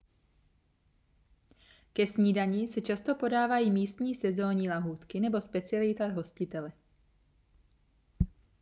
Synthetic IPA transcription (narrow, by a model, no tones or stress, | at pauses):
kɛsɲiːdaɲiːsɛt͡ʃast̪o̞po̞daːvajiːmiːst̪ɲiːsɛzoːɲilaɦuːt̪kɪnɛbo̞spɛt͡sɪalɪt̪aɦo̞scɪt̪ɛlɛ